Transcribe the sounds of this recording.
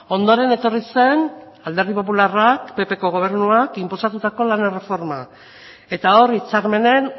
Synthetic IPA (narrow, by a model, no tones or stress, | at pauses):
o̞nd̪o̞ɾe̞ne̞t̪o̞rise̞n | ald̪e̞ɾðipo̞p̬ularakpe̞pe̞ko̞ɣ̞o̞β̞e̞ɾnuakimposat̪ut̪ako̞lanere̞fo̞ɾma | e̞t̪ao̞rit͡saɾme̞ne̞n